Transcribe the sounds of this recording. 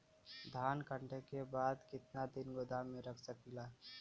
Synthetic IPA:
d̪ʱaːnkəɳʈekebaːd̪kɪt̪nad̪ɪnɡod̪ʱamẽɾəkʰsəkilaː

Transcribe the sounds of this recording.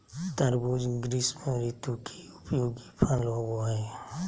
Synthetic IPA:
t̪əɾbud͡ʒɪŋɡɾiːsmẽɾit̪ukʰiʊpjoːɡipʰaloboe

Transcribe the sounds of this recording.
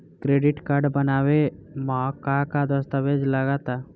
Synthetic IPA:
kɾeːɖɪʈkaɾɖbənaːwemakakad̪əst̪əʋed͡ʒləɡat̪a

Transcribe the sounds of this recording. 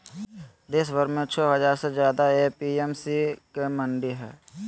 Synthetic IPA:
d̪eːs̬bəɾmẽt͡ʃʰɔːɦɐzaːɾsezjaːd̪aepiːemsikemə̃ɳɖiɦɛ̰ː

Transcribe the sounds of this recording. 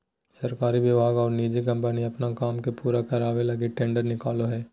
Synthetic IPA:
sɐɾkaːɾiʋɪbʱaːɡɔːɾniːd͡ʒek̬ɐ̃mpəniɐpnakaːmkepuːɾakɐɾaːʋelɐɡeʈɛ̃ːɳɖəɾnɪkaːloɦɛː

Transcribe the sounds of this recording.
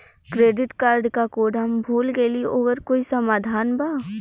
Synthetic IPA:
kɾeːɖɪʈkaːɾɖkakoːɖɦɐmbʱuːlɡelieʔoːɡəɾkoːisɐmaːd̪ʱaːnbaː

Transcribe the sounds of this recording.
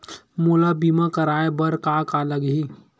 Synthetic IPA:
mulabimakəɾaːebɐɾkakaləɡɦi

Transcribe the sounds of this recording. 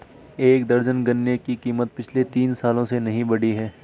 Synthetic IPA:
eːkd̪ɐɾd͡ʒənɡɐnːekikiːmət̪̚pɪt͡ʃʰlet̪iːnsaːlõsenɐɦĩbɐɽiɦɛː

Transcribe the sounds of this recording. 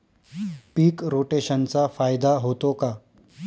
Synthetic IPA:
piːkɾoʈeɕənt͡safajd̪aɦot̪oka

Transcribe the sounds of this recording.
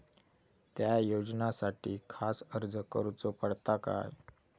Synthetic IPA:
t̪jajod͡znasaʈiːkʰasəɾd͡zəkəɾut͡sopəɽt̪aka̰j

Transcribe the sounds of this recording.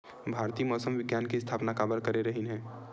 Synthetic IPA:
bʱaːɾt̪iːmɔːsəmʋɪɡjaːnkist̪ʰaːpnakaːbəɾkɐɾeɾɐɦinɦɛ̃ː

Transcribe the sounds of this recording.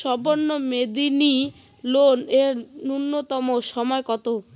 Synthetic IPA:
ʃɔbonːomed̪ini | loneɾunːot̪ɔmoʃɔmɔekɔt̪o

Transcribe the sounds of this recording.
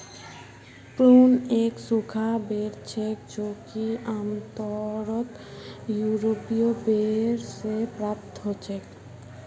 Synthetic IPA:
pɾuːneːksukʰabeɾt͡ʃʰekd͡ʒoːkiamt̪ɔɾət̪ | juːɾopijobeɾsepɾaːp̚t̪ɦot͡ʃʰek

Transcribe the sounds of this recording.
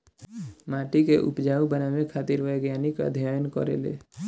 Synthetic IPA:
maːʈikeʔʊ̰pd͡ʒaːũbənamekʰaːt̪ɪɾʋəjɡjaːnikə̰d̪ʱjajənkɔ̰ɾḛlḛː

